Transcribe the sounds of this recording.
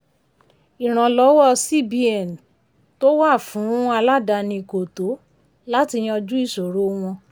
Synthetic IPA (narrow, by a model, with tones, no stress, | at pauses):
i˨ɾ̃ã˨lɔ˨˦wɔ˦si˦˨bi˧˦ɛ˨n˨ | to˦wa˦˨fũ˨˦a˧la˦da˧nĩ˧˨ko˨to˨˦ | la˦ti˧j̃ɔ̃˧d͡ʒu˦i˦˨so˨ɾo˦w̃ɔ̃˧